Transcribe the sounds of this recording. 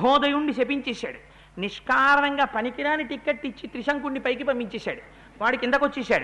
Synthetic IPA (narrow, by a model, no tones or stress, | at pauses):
ɦɔːd̪ɐjuɳɖit͡ʃepiɲt͡ʃɛːsa̰ːɽu | niʂkaːɾɐɳɐŋɡaːpɐnikiɾaːniʈikːeʈːit͡ʃːit̪ɾiʃɐŋkuɳːipɐjkibɐmbiɲt͡ʃɛːsa̰ːɽu | ʋaːɽɐkind̪ɐkʋɐt͡ʃːɛːsa̰ːɽu